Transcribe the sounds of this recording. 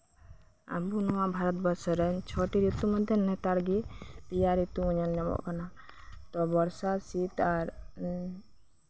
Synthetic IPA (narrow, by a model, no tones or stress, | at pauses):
a̰bunɔwaʔbʱaɾɔt̪̚bɔɾsɔɾɛɲt͡ʃʰɔʈiɾit̪umɔd̪ʱjɛnɛt̪aɽɡip̪ijaɾit̪uuɲalɲɔmɔ̰ʔkana | t̪ɔbɔɾsasit̪aɾ